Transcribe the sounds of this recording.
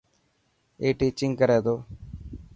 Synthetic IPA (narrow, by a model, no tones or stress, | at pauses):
eʈːit͡ɕiŋkɐɾed̪o